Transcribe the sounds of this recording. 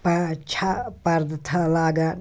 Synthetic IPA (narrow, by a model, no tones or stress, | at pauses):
pɐt͡ʃʰapɐɾd̪t̪ʰɐlaːɡa